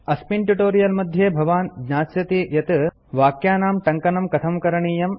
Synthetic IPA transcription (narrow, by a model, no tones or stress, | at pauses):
ɐspiɳʈuʈoːɾijɐlmɐd̪ʱjeːbʱɐʋaːnɡɲaːsjɐt̪ijɐt̪ | ʋaːkjaːnaːmʈɐŋkɐnɐmkɐt̪ʰɐmkɐɾɐɳiːjɐm